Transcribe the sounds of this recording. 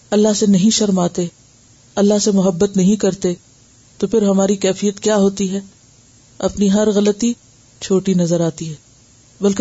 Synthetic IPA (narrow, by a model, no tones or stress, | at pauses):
ɐlːaɦsenɐɦĩʃɐɾmaːt̪e | ɐlːaɦsemʊɦəbːət̪nɐɦĩkɐɾt̪e | t̪opʰɪɾɦɐmaːɾikɛːfijət̪kjaːɦoːt̪iɦɛ | ɐpniɦɐɾɣɐlət̪i | t͡ʃʰoːʈinɐzəɾaːt̪iɦɛː | bɐlke